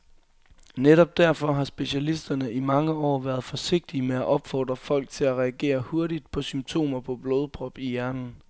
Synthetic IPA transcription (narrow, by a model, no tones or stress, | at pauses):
neɾɒ̽b̥̚d̥æɐ̰fɒ̽ɦɑ̈sb̥e̝ɕælisd̥ɐnəʔimɑ̈ŋəɒ̰ːʋæːɐð̩ˠfɒ̽se̝ɡ̥̚d̥imeæʔɒ̽b̥fɒ̰ːd̥ʁɐfɒ̽l̰ɡ̥̚t͡sʰe̝læʁɛæɡ̥e̝̰ːɐho̝ɐɾid̥̚pʰɒ̽symt͡sʰo̝̰ːmɐpʰɒ̽b̥lo̝ːð̞ˠpʰʁɒ̽b̥ijæɐnn̩